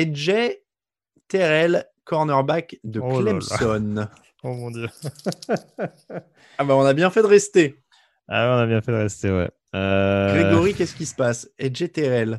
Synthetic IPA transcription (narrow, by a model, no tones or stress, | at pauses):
ɛʒɛ | t̪ɛʁɛlkɔʁnœʁbakd̪əklɛpt̪ɔn | obɔ̃d̪jø | abaɔ̃nabjɛ̃fɛd̪əʁɛst̪e | a̰wɛɔ̃nabjɛ̃fɛd̪əʁɛst̪ewɛ̰ | øɡʁeɡɔʁikʲɛsə̥kʲisə̥pasɛʒet̪ɛʁɛl